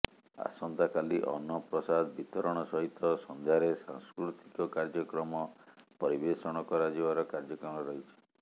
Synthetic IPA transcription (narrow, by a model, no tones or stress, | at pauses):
a̰sɔnt̪akaliʔɔ̰nːɔpɾɔsad̪bit̪ɔɾɔɽ̃ɔsɔɦit̪ɔsɔnd̪ʱaɾesa̰ŋskɾut̪i̥kɔkaɾd͡ʒɔkɾɔmɔpɔɾibesɔɽ̃ɔkɔɾad͡ʒibaɾɔkaɾd͡ʒɔkɾɔmɔɾɔɦit͡ʃʰi̥